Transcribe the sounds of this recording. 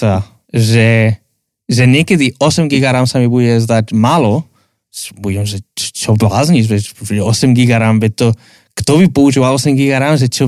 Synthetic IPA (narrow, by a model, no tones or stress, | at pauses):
t̪a | ʒɛ | ʒɛɲɛkɛd̪iʔɔsɛmɡiɡaɾamsamibuɟɛzd̪atmaːlɔ | buɟɛmʒɛt͡ʃt͡ʃɔblazɲiʒbɛpbuɟɛɔsɛmɡiɡaɾambɛt̪ɔ | kt̪ɔβipɔuʒivalɔsɛmɡiɡaɾamʒɛt͡ʃɔ